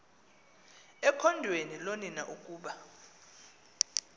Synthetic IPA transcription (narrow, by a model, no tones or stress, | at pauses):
ɛkʰɔndʱweniloninaʔukʼuːɓa